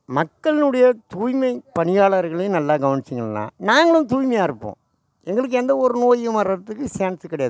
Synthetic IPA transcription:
mɐkːɐɭɪnɯɽɐjɐt̪uːjmɐɪpɐɳɪjaːɭɐɾɣɐɭɐj̃nɐlːaːɡɐʋɐnɪt͡ʃːɯŋɡɐɭlːã̰ːnaːŋɡɐɭɯ̃nt̪uːjmɐjaːɪɾɯpːõ̰ː | ɛŋɡɐɭɯk̬ːɯɛnd̪ɐɔɾɯnoːjmɐɾɐt̪ːɯkːɯsaːnskɪɽɐjaː

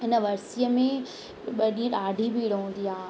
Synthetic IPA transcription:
ɪnəʋɐɾsijəmẽ | ɓɐɗĩə̃ɗaːɖʱibʱiːɽɦũːnd̪iaː

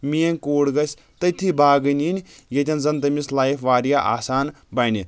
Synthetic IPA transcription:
mijenʲkoːɽɡɐsʲ | t̪ɐt̪ʰibaːɡɨnʲinʲjet̪ʲʰɐnzɐnt̪ɐmislaːjifʋaːɾjaʔa̰ːsaːn | baːni

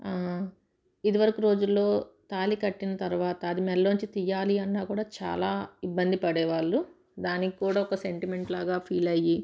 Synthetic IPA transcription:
a | id̪iʋɐɾɐkuɾo̞ːd͡ʒulːo̞ːt̪aːlikɐʈːinɐt̪ɐɾʋaːt̪ɐːd̪imɛlːoːɲt͡ʃit̪ijaːliɐnːaːkuːɽaːt͡ʃa̰ːlaːibːɐnd̪ipɐɽɛːʋaːɭːu | d̪aːnikikuːɽaːɔkɐse̞ɳʈime̞ɳʈlaːɡaːpʰiːlɐji

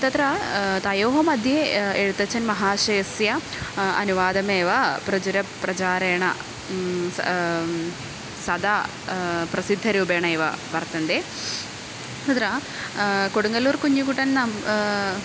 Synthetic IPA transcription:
t̪ɐt̪ɾɐt̪ɐjoːɦɐmɐd̪ʱjeeɻut̪ːɐt͡ɕːɐnmɐɦaːʂeːsjɐ | ɐnuʋaːd̪ɐmeːʋɐprɐd͡ʑuɾɐprɐt͡ɕaːɾeːɐɳɐ̰ | sɐd̪a | prɐsid̪ʱːɐɾuːbeːɳɐeːʋɐ̰ʋɐrt̪ɐnd̪eː | t̪ɐt̪ɾɐ | koɽuŋɡɐluːrkuɲːukuʈːɐnnɐm

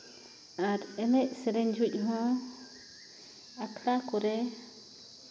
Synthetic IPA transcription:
aɾɛlɛʔ̚sɛɾɛɲd͡ʒʱuc̚ˀɦɔ̃ | akʰɽakɔɾɛ

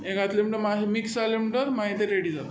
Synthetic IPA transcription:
ekat̪lemiɳʈəɾmaɦmiksalemiɳʈəɾmaɦit̪eɾeɽid͡zat̪o

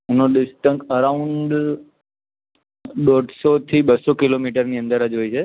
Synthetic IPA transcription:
ʊnoɗɪsʈə̃ŋkəɾaʊ̃ɳɖ | ɗoɖʱsot̪ʰiɓəsokɪlomiʈəɾniːə̃nd̪əɾəd͡ʒɦoːit͡ʃʰe

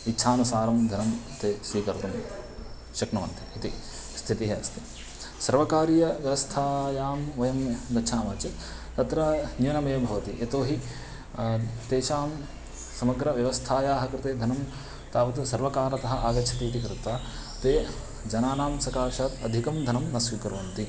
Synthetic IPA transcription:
itːʃʰaːnusaːɾɐmd̪ʱɐnɐmt̪eːsʋiːkɐɾt̪um | ʃɐknɐʋɐ̰nt̪iit̪i | st̪ʰit̪iɦeɐst̪ʰi̥ | sɐɾʋɐkaːɾjɐʋjɐʋɐst̪ʰaːjaːmʋɐjɐmd̪ɐʃʰaːmaːt͡ʃɐt̪ | t̪ɐt̪ɾɐnjuːnɐmɐjɐmbʱɐʋɐt̪iʔet̪oːɦi | t̪eːʃaːm | sɐmɐɡɾɐʋjɐʋɐst̪ʰaːjaːɦɐkɾɪt̪eːd̪ʱɐnɐm | t̪aːʋɐt̪usɐɾʋɐkaːɾɐt̪ɐɦɐʔaːɡɐt͡ʃʰɐt̪iːt̪ikɾɪt̪aː | t̪eː | d͡ʒɐnaːnaːmsɐkaːʃaːt̪ɐd̪ʱikɐmd̪ʱɐnɐmnɐsʋiːkɐɾʋɐnt̪i

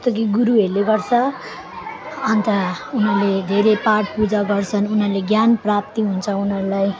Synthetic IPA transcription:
ʌst̪ʌk̬iɡuɾuɦeɾleɡʌrt͡sʰʌ | ant̪aunʌrled̪ʱeɾepaʈ̚pud͡zaɡʌrt͡sʰʌnunɦʌleɡjanprap̚t̪iɦunt͡sʰʌunʌɾulaj

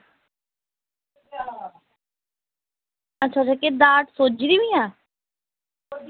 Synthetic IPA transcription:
ətːʃʰaːt͡ʃʰaːked̪aːʈsoːd͡ʒɾiːʋiːãː

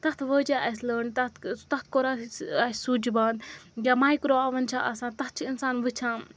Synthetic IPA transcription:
t̪ɐt̪ʰʋəːd͡ʒaɐsləːɳt̪ɐt̪t̪ɐt̪̚ʰkoɾaaːsʲsuːd͡ʒibaːnd̪ɡʲamaːikɾoːɐʋɐnt͡ʃʰaʔɐsãːnt̪ɐt̪̚ʰt͡ʃʰiinsaːnʋɨt͡ʃʰãː

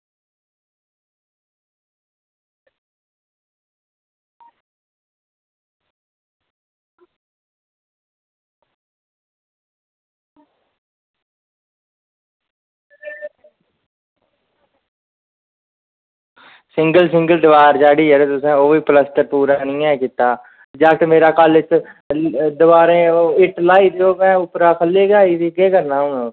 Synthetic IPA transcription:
sɪ̃ŋɡəlsɪ̃ŋɡəld̪əʋaːɾd͡ʒaːɽiːɦɛɾeːt̪ʊsẽːoːʋiːpləst̪əpuːɾaːnɪ̃ːɛ̃ːkɪt̪aː | d͡ʒaːkʈ̪meːɾaːkalɪt͡ʃ | d̪əʋaːɾẽːɪʈlaːiːd̪eːoːkɛ̃ːʊpɾaːkʰəlːeːɡaːiːd̪iɡeːkəɾnaːʊ̃ːõː

